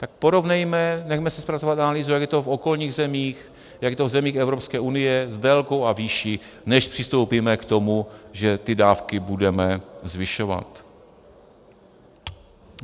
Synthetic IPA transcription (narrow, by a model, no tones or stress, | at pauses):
t̪ak̚po̞ɾo̞vnɛjmɛnɛxmɛsɛspɾat͡sovat̪analiːzujaɡjɛt̪ofo̞ko̞lɲiːɣzɛmiːx | jakjɛt̪ovzɛmiːxɛvɾopskɛːʔunɪjɛzdɛlkowaviːʃi | nɛʃpr̥ɪst̪o̞wpiːmɛkt̪o̞muʒɛt̪ɪdaːfkɪbudɛmɛzvɪʃova̰t̪